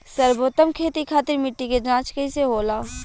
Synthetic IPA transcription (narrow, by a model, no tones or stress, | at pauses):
sɐɾboːt̪əmkʰeːt̪ikʰaːt̪ɪɾmɪʈːiked͡ʒãːt͡ʃkɐiseɦoːlaː